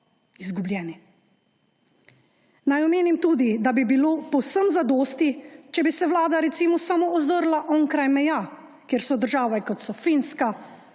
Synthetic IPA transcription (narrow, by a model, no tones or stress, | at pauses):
izɡubljɛːni | najɔmeːnimt̪uːd̪id̪abibiloːpɔwsəmzad̪oːst̪it͡ʃɛbisɛwlaːd̪aɾɛt̪siːmɔsamoɔzəɾlaʔɔŋkɾajmɛja | kjeːɾsɔd̪əɾʒaːʋɛkɔt̪sɔfinska